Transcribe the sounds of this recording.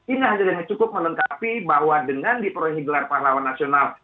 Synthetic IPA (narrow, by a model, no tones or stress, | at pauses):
inaɦaɲadəŋat͡ʃukʊp̚mələŋkapibaɦwadəŋandipəɾoɛŋiɡəlarparlawanːasional